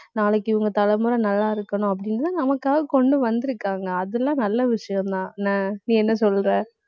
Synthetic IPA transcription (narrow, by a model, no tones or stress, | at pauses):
naːlɐkːɯɪʋɯŋɡɐt̪ɐlɐmɯɾɐ̃nɐlːaːɪɾɯkːɐnʊ̃ɐp̬ːɐɽɪnɐt̪ãːnɐmɐkːaːkɔɳɖɯʋɐnd̪ɪɾɯkːaːŋɡɐːðɛlːãːnɐlːɐʋɪʂɐjɐ̃mt̪ãːnaːnĩːɛnːɐsɔlːɾẽː